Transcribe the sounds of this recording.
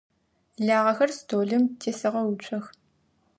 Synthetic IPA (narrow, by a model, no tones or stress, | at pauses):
ɮaːʁɐxɐrstʰoːɮɨmtʰeːsɐʁɐwʊt͡ʃʷʰʼɐx